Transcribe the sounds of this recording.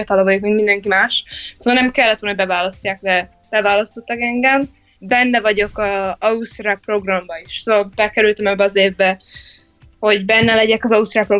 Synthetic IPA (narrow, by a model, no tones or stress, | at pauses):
ɒt̪ɒlɒvɒɟokmiŋɡ̪mind̪ɛŋkimaːʃsoːɒlnɛmkɛlːɛt̪ʋonobɛvaːlɒscːaːkd̪ɛ | b̥ɛvaːlɒst̪o̞t̪ːɒkɛŋɡɛm | bɛnːɛvɒɟo̞kɒɒust̪ɾapro̞ɡrɒmbɒiʃsoːɒlbɛkɛɾylt̪ɛmɛbːɛɒzeːvbɛ | ho̞ɟbɛnːɛlɛɟɛkɒzɒust̪ɾapro̞